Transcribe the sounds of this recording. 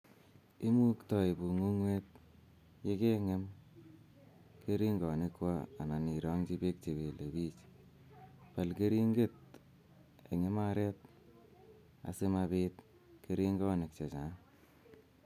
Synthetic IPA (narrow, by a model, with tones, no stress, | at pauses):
i˦mu˦ktɔ˨i˨bu˨ŋu˦ŋwe˦t̚ | je˦ke˦ŋe˦m | ke˦ɾi˦ŋɡɔ˨nɪ˦kwaː˦˨na˨ni˨ɾɔ˦ŋt͡ʃi˦pe˦k̚t͡ʃe˨be˨le˨bi˦t͡ʃ | pa˨lke˦ɾi˦ŋɡe˦˨t̚ | ḛ˨ŋe˦ma˦ɾɛ˦t̚ | a̰˨sɪ˦ma˧pet | ke˦ɾi˦ŋɡɔ˦ne˨k̚t͡ʃe˨t͡ʃa˨n